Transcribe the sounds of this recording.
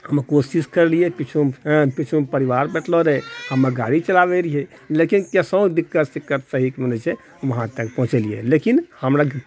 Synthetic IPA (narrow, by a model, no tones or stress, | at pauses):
həmkosiskəɾliepit͡ʃʰuɦpit͡ʃʰupəɾiʋaɾbɛʈʰloɾɛhəmːəɡaɽit͡ʃəlabeɾiɦe | lekinkɛsə̃d̪ikːət̪sikːət̪səɦikmənɛt͡ʃʰe | ʋəɦãt̪əkpɔɦt͡ʃɛliḛlekinhəmɾa